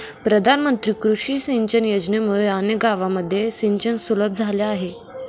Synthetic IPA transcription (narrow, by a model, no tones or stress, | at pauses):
pɾəd̪ʱanmənt̪ɾiːkɾuʂiːsiɲt͡ɕənjod͡ʑnemuɭeanjəɡaʋaməd̪ʱːjesiɲt͡ɕənsuləb̚d͡zʱaljaːɦe